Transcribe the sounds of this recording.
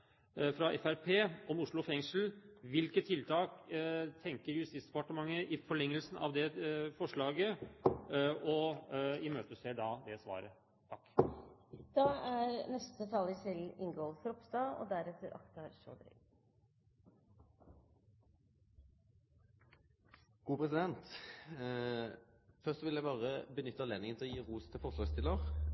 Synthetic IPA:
fɾɑʔɛ̰fæɾpʰeːʔɔmʊʂɭʊfɛŋʂl̩ʋɪlkət̪ʰːɪlt̪ʰɑːkt̪ʰɛŋkəɾjʉst̪ɪːsd̪ɛpɑʈəmɑŋːəʔɪfɔɭɛŋːəlsn̩ʔɑ̰ʋd̪ɛfɔʂɭɑːɡə | ɔɪmøːt̪əseːɖɑːd̪ɛsʋɑ̰ːɾə | t̪ʰɑkː | d̪̥ɑːæɾnɛst̪ət̪ʰɑləsɪlɪŋɡolfɾɔpst̪ɑo̰ːd̪æɾɛt̪əɾʔɑ̰kt̪ɑɾʂo̰ːd̪ɾɪ̰ɡ | ɡ̥uːpʰʁɛsɪd̪ɛnt̪ | fœʁssɔʋɪljæɪbɑːʁəbənʏt̪ːəɛleːnɪŋənt̪ʰɪlɔjiːʁuːst̪ʰɪlfɔʁʂlɑːɡst̪ʰɪlːəʁ

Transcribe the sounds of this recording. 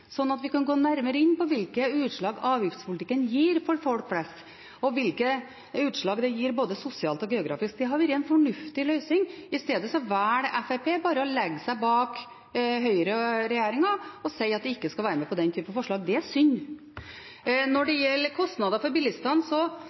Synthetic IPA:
sɔnːɑt̪ʋɪkɑnɡoːnæɾməɾəɪnːpɔʋɪlkəʉːt̪ʂɭɑːɡɑːʋjɪft̪spʊlt̪ɪkːənjiːɾfɔɾfɔlk̚fʰlɛst̪ | ɔʋɪlkə | ʉːt̪ʂɭɑːɡd̪ɛjiːɾboːd̪əsʊsɪɑːlt̪ɔɡɛʊɡɾɑ̰ːfɪsk̚d̪ɛɦɑɾʋɪɾɛɪnfɔɳʉft̪ɪlœʏsɪŋɪst̪eːd̪əsɔʋæːɽɛfɛpʰeːbɑːɾəɔlɛɡːsæɪbɑːk | ɦœʏəɾəɾɛjæːɾɪŋɑɔsɛɪɑt̪̚d̪ɛɪkːəskɑʋæːɾəmɛpɔd̪ɛnt̪ʰyːpənɑfɔʂɭɑːɡd̪ɛæsʏnː | nɔɖɛjɛlːəkʰɔst̪nɑd̪ɑfɔɾbɪlɪst̪ɑnsɔ

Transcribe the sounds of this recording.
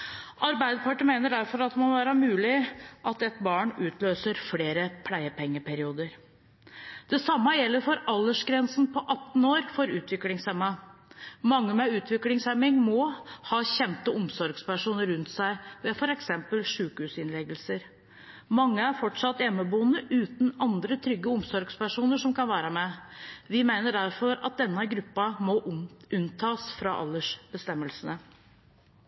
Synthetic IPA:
ʔɑɾbæɪd̪əpʰɑʈəmeːnəɖæɾfɔɾɑt̪̚d̪ɛmɔʋæːɾəmʉːlɪʔɑt̪ɛt̪bɑːɳʉːt̪ʰløːsəɾfleːɾəpʰlæɪəpɛŋːəpʰæɾɪuːd̪əɾ | d̪̥ɛsɑmːəjɛlːəɾfɔɾɑlːəʂɡɾɛnsn̩pʰɔʔɑt̪ːn̩oːɾfɔɾʉːt̪ʰʋɪklɪŋsɛmːɑ | mɑŋːəmɛʉːt̪ʰʋɪklɪŋsɛmːɪŋmɔhɑːçɛnt̪əʊmsɔɾɡspæʂuːnəɾʉnt̪sæɪʋɛfɔɾɛksɛmpəlʂʉːkhʉːsɪnlɛɡəlsəɾ | mɑŋːəæɾfɔʈʂɑt̪ːjɛmːəbuːənəʔʉːt̪nɑnd̪ɾət̪ʰɾʏɡːəʊmsɔɾɡspæʂuːnəʂɔmkɑnʋæːɾəmɛʋɪmæɪnəɖæɾfɔɾɑ̰t̪̚d̪ɛnːəɡɾʉpːɑmɔʔʉnt̪ʰɑːsfɾɑ̰ʔɑ̰lːəʂb̥əst̪ɛmːəlsənə

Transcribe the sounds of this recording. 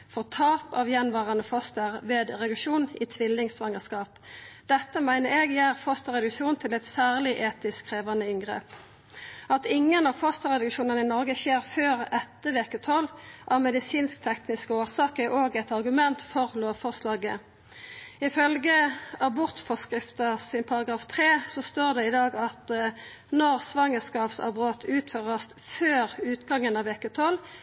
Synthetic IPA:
fɔʁt̪ʰɑːpɑ̰ːʋjɛnʋɑːʁɑnəfɔst̪əʁʋeːd̪ʁɛd̪ʉkʂuːnɪt̪ʰʋɪlːɪŋsʋɑŋəskɑːpd̪̥ɛt̪ːəmæɪnəʁeːɡjæːʁfɔst̪əʁɛd̪ʉkʃuːnt̪ʰɪlɛt̪sæːʁlɪʔeːt̪ɪskʰʁeːʋɑnəɪŋɡʁḛːp | ɑt̪ɪŋːənɑfɔst̪əʁɛd̪ʉkʂuːnənəɪnɔʁɡəçeːʁføːʁɛt̪ːəʋeːkət̪ʰɔlʔɑmɛd̪ɪsiːnsk̚t̪ʰɛknɪskəoːʁsɑːkəɛʔoːɡɛt̪ɑʁɡʉmɛnt̪fɔʁloːʋfɔʁslɑːɡə̰ | ɪfœlɡəɑbʊʁt̪fɔʁskʁɪft̪əsɪnpʰɑʁɑɡʁɑːft̪ʰʁeːsɔst̪oːʁd̪ɛɪd̪ɑːɡɑt̪ | nɔʁsʋɑŋəskɑːpsɑ̰bʁoːt̪ʰʉːt̪føːʁəst̪føːʁʉːt̪ɡɑŋːənɑːʋeːkət̪ʰɔl

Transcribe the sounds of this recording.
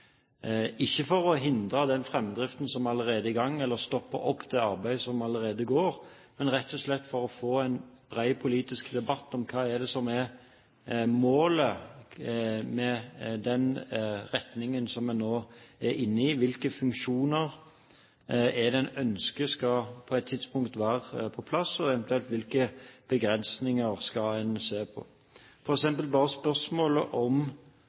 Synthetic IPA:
ɪçːəfɔɾɔɦɪnd̪ɾəd̪ɛnfɾɛmd̪ɾɪft̪n̩sɔmɑləɾeːd̪əɪɡɑŋːɛlːəɾst̪ɔpːə̰ʔɔpːd̪ɛɑɾbæɪsɔmɑləɾeːd̪əɡoːɾ | mɛnʁɛt̪ʰːɔʂlɛt̪ːfɔɾɔfoːæɪnb̥ɾæɪpʰʊliːt̪ɪskd̪ɛbɑt̪ːɔmkʰɑːɛd̪ɛsɔmɛɾ | moːlə | mɛd̪ɛnɾɛt̪nɪŋənsɔmɛnːoːɛɾʔɪnːəɪʋɪlkəfʉŋkʃuːnəɾ | ɛd̪ɛnœnskəskɑpʰɔɛt̪ʰːɪd̪spʊŋkt̪ʋæːɾəpʰɔpʰlɑsɔɛʋɛnt̪ʉɛlt̪ʋɪlkəb̥əɡɾɛnsnɪŋəɾskɑɛnseːʁpʰɔ̰ | fɔɾɛksɛmpəlbɑːɾəspœsmoːləʔɔm

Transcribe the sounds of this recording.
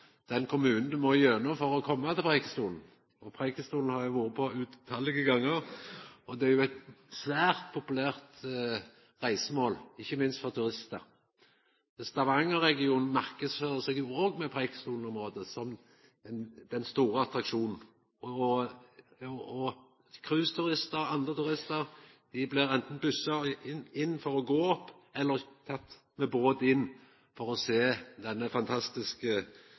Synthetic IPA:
d̪̥ɛnkʰʊmʉːnn̩d̪ɛmɔjœnːɔmfɔʁɔkʰɔmːɑt̪ʰɪlpʰʁɛɪkə̥st̪uːln̩ | ɔpʰʁekəst̪uːln̩hɑɾjʊʋuːʁəpʰɔʉːt̪ʰːɑːlɪɡəɡɑŋːəʁɔd̪ɛæɾjʊɛt̪sʋæːʁt̪pʰʊpʉlæːʁt̪ | ʁæɪsəmoːlɪçːəmɪnst̪fɔʁt̪ʰʉʁɪst̪ə | ɛst̪ɑʋɑŋəʁɛɡɪuːnn̩mæʁkəsføɾəsɛɡjʊoːɡmɛpʰɾɛɪkə̥st̪uːln̩ɔmʁoːd̪əsɔm | d̪̥ɛnst̪uːɾəɑt̪ɾɑkʃuːnn̩ | ɔ | kʰɾʉːst̪ʰʉɾɪst̪əɾɑnd̪ʁət̪ʉɾɪst̪əɾ | d̪̥ɪblɪɾɛnt̪n̩bʉsːɑɪnːfɔɾɔɡoːɔpː | ɛlːəɾt̪ʰɑt̪ː | mɛboːd̪ɪnː | fɔɾɔseːd̪ɛnːəfɑnt̪ʰɑst̪ɪskə

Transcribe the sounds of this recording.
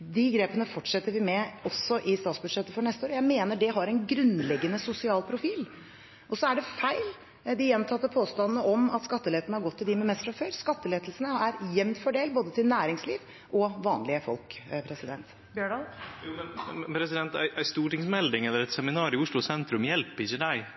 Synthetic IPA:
d̪ɪɡɾeːpənəfɔʈʂɛt̪ːəɾʋɪmɛɔsːɔʔɪst̪ɑːt̪sbʉd̪ʂɛt̪ːəfɔɳɛst̪əoːɾəjæɪmeːnəɖɛɦɑɾɛnɡɾʉnlɛɡːənəsʊsɪɑːlpʰɾʊfiːl | ʔɔsɔæɖɛfæɪl | d̪ɪjɛnt̪ʰɑt̪ːəpʰoːst̪ɑnːnəʔɔmɑt̪skɑt̪ːəleːt̪nəhɑɾɡɔt̪ʰːɪld̪ɪmɛmɛst̪fɾɑføːɾskɑt̪ːəleːt̪əlsənəæɾjɛmnt̪fɔɖeːlboːd̪ət̪ʰɪlnæːɾɪŋsliːʋ | ʔɔʋɑːnlɪəfɔ̰lkpʰɾɛsɪd̪ɛnt̪ː | juːmɛnɛpʰɾɛsɪd̪ɛnt̪æ̰ɪʔæɪst̪uːʈɪŋsmɛld̪ɪŋɛlːəɾɛt̪sɛmɪnɑːɾɪʊʂɭʊsɛnt̪ɾʉmjɛlpəɪçːəd̪æɪ

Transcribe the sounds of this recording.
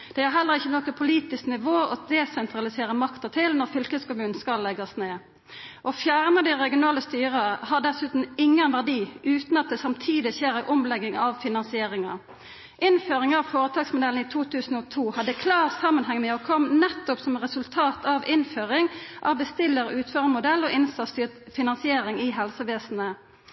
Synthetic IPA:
d̪̥ɛæɾɦɛlːəʁɪçːənɔkəpʰʊliːt̪ɪsknɪʋoːɔd̪ɛsɛnt̪ɾɑlɪseːɾəmɑkt̪ət̪ʰɪlnɔʁfʏlkəd̪skʊmʉːnn̩skɑlːɛɡɑsneː | ʔɔfjæʁnəd̪ɪʁɛɡɪʊnɑːləst̪yːʁəhɑɖ̪ɛsʉːt̪n̩ɪŋːənʋæʁd̪iːʉːt̪nɑt̪̚d̪ɛːsɑmt̪ʰiːd̪ɪçeːɾæɪʔʊmlɛɡɪŋɑʋfɪnɑnsɪeːɾɪŋɑ̰ | ʔɪnføːʁɪŋɑʋfoːʁət̪ʰɑːɡsmʊd̪ɛln̩iːt̪ʰuːt̪ʰʉːsn̩oːt̪ʰuːhɑd̪əkʰlɑːʁsɑmːənɦɛŋːmɛːɔkʰɔmnɛt̪ːʊpsɔmʁɛsʉlt̪ʰɑːt̪ʰɑʋɪnføːʁɪŋʔɑ̰ʋbəst̪ɪlːəʁʉːt̪føːʁmʊd̪ɛlːoːʔɪnsɑst̪yːfɪnɑnsɪeːʁɪŋiːɦɛlsəʋeːsn̩ə

